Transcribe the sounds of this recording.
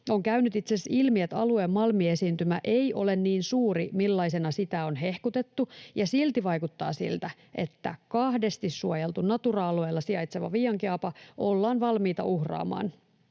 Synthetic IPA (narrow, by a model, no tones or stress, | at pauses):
o̞ŋkæynyt̪it̪sesilmiet̪ɑlueːmːɑlmiesiːnt̪ymæʔejʔo̞̰le̞nniːnsuːɾimilːɑisenɑsit̪æo̞nɦe̞hkut̪e̞t̪ːujɑsilt̪iʋɑjkut̪ːɑ̰ːsḭlt̪æ | ʔe̞t̪ːæ̰kɑhde̞st̪issuojelt̪unnɑt̪urɑɑlueːlːɑsiɑjt̪seʋɑ̰ʋiːɑŋkiɑpɑʔolːɑːnʋɑlmiːt̪ɑ̰ʔuhrɑ̰ːmɑ̰ːn